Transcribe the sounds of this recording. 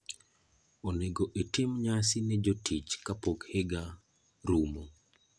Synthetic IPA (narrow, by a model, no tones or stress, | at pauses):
oneɡoʔetɪmɲasinɛd͡ʒotʰit͡ʃkapokheɡa | ɾumo